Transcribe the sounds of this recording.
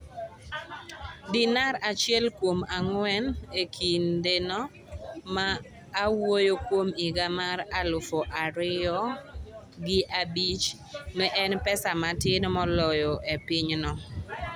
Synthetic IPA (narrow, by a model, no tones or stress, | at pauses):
dɪnaɾat͡ʃɪɛlkwomaŋwɛnekʰindenɔ | maː | wojokwomɪɡamaɾalʊfoʔaɾɪɔ | ɡɪʔabit͡ʃ | mɛʔɛnpɛsamatɪnmɔlɔjɔʔepɪɲnɔ